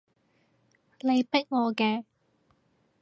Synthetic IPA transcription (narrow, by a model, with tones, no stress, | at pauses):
le˨˧jpɪ˥k̚ŋɔː˨˧kɛː˧